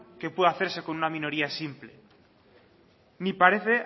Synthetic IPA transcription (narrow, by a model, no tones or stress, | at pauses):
ke̞pweðaθe̞ɾse̞ko̞nunamĩno̞ɾiasimple | nipaɾeθe̞